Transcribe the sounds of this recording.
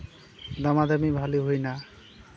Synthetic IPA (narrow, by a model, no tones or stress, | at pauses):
d̪ɔmad̪amibʱaliɦojna